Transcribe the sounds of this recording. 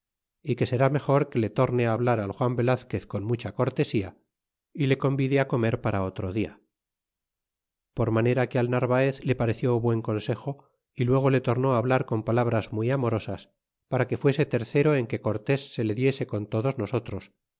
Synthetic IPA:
ike̞se̞ɾame̞xo̞ɾke̞le̞t̪o̞ɾneaːβlaɾalxwambe̞laθke̞θko̞nmut͡ʃako̞ɾt̪e̞sia | ile̞ko̞mbiðeakome̞ɾpaɾaot̪ɾo̞ðia̰ | po̞ɾmane̞ɾakealnaɾβaeθle̞paɾe̞θjo̞βwe̞ŋko̞nse̞xo̞ | ilwe̞ɣ̞o̞le̞t̪o̞ɾno̞aːβ̞laɾko̞mpalaβɾazmiamo̞ɾo̞sas | paɾake̞fwe̞se̞t̪e̞ɾθe̞ɾo̞eŋke̞ko̞ɾt̪e̞sːe̞le̞ðje̞se̞ko̞nt̪o̞ðo̞zno̞so̞t̪ɾo̞s

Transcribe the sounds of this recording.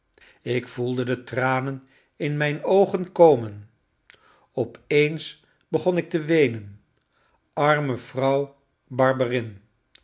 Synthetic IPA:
ɪkfulˠdədətraːnən | ɪnmɛjnowχənkowmən | ɔpejns | b̥əχɔnɪk̚təʋejnən | ʔɑɹməv̥rʌw | bɑɹbərɪn

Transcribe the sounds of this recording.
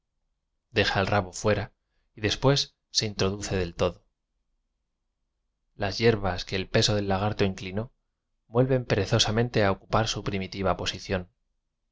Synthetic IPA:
d̪e̞xaelraβo̞fwe̞ɾa | iðe̞spwe̞sː | e̞int̪ɾo̞ð̞uθe̞ðe̞lt̪o̞ðo | lazje̞ɾβaske̞ːlpe̞so̞ð̞e̞lːaɣ̞aɾt̪o̞iŋklino̞ | bwe̞lβe̞mpe̞ɾe̞θo̞samẽ̞nt̪e̞aokupaɾsupɾimit̪iβ̞apo̞siθjo̞n

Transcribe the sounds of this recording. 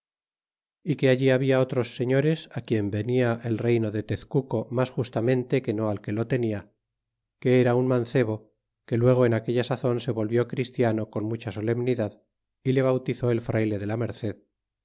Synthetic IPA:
ike̞aʎiaβiaot̪ɾo̞sːe̞ɲo̞ɾe̞sakje̞mbe̞niaʔelre̞jno̞ðe̞t̪e̞θkuko̞masxust̪amẽ̞nt̪e̞ke̞no̞alke̞lo̞t̪e̞nia | ke̞eɾaunmãnθe̞β̞o̞ | ke̞lwe̞ɣ̞oenake̞ʎasaθo̞nse̞βo̞lβjo̞kɾist̪jano̞ko̞nmut͡ʃaso̞le̞mniðað | ile̞β̞awt̪iθo̞e̞lfɾʔajle̞ðe̞lame̞ɾθe̞ð

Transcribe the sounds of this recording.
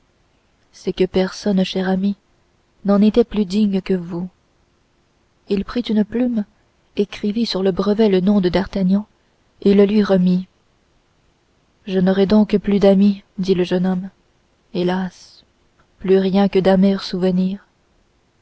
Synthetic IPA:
sɛkəpɛʁsɔnʃɛʁami | nɑ̃net̪ɛplyd̪iɲkəvu | ilpχit̪ynplym | ekχivisyʁləbʁəvɛlənɔ̃d̪əd̪aʁt̪aɲɑ̃ | eləlɥiʁəmi | ʒənɔʁɛd̪ɔ̃kplyd̪amid̪iləʒənɔm | elas | plyʁjɛ̃kəd̪amɛʁsuvəniːʁ

